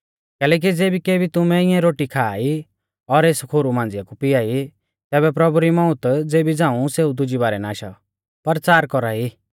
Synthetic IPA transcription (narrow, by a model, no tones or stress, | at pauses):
kɛːlɛːk̬id͡zeːbikeːbit̪ʊmɛ̃ɪjãɾoːʈikʰaːi | ɔɾeːskʰoːɾumãːnd͡zɪjakupɪjaːi | t̪ɛːbɛpɾɐbuɾimɔ̃ʊ̃t̪d͡zeːbid͡zãːũseːud̪ʊd͡ʒibaːɾɛnaːʃa̰ | pɐɾt͡saːɾkɔɾaːiː